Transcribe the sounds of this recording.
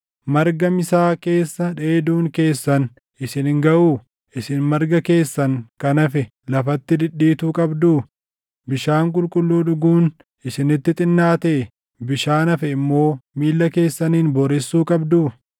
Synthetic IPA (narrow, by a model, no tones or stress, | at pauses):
mɐɾɡɐmɪsaːke̞ːsːɐᶑe̞ːd̪uːŋke̞ːsːɐn | ɪsɪnɪŋɡɐʔuː | ʔɪsɪnmɐɾɡɐke̞ːsːɐŋkɐnɐfɛ | lɐfɐt̪ːɪd̪ɪᶑːiːt̪uːkʼɐbd̪uː | bɪʃaːŋkʼʊlkʼʊlːuːᶑʊɡuːn | ɪsɪnɪt̪ːɪt̪ʼɪnːaːt̪eː | bɪʃaːnɐfɛɪmːo̞ːmiːlːɐke̞ːsːɐniːnbɔɾɛsːuːkʼɐbd̪uː